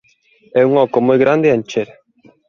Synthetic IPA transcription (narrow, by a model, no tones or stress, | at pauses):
ɛuŋɔkomojɣɾand̪eant͡ʃeɾ